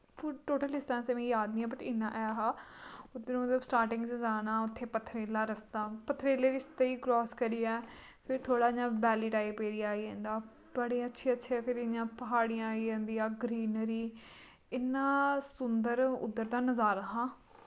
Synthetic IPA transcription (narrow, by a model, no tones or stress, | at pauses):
pʊʈoːʈəlɪsʈãːnsemẽːjaːd̪niːaːbəʈɪnːãːʔɛːaːɦaːʊd̪eːnũːmət̪ləbsʈaːɾʈɪ̃ŋɡəzaːnãːʊt̪ʰːeːpət̪ʰːɾeːlaːɾəsd̪aːpət̪ʰːɾeːleːɾɪst̪eːiːkɾɔːskəɾiːɛː | pʰɪɾt̪ʰoːɽaːɪɲãːbɛːliːʈaːiːpeːɾijãːiːẽːnd̪aː | bəɽiːətːʃʰeːətːʃʰeːɛpʰɪɾɪɲãːpəɦaːɽɪjãːiːẽːnd̪iːaːɡɾiːnɾiː | ɪnːãːsʊnd̪əɾʊ̰d̪əɾt̪aːnəzaːɾaːɦãː